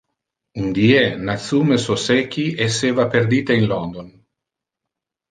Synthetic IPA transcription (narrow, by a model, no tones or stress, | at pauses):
und̪ienat̪sumesosekiesːeːvaperd̪iːt̪einlɔnd̪on